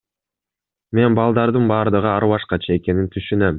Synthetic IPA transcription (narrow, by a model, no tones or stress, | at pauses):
me̞nbɑlˠd̪ɑɾd̪ɯnbɑːɾd̪ɯʁɯɑɾβɑʃqɑt͡ʃʰɑe̞ke̞nint̪ʰyʃynøm